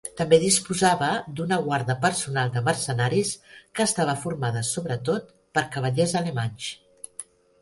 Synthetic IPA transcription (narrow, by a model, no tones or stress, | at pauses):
t̪əmbeðispuzaβəd̪unəɣwaɾðəpəɾsunalˠd̪əmərsənaɾiskəːst̪aβ̞əfuɾmaðəsoβɾət̪ot̪̚ | pəɾkəβ̞əʎezələmaɲʲs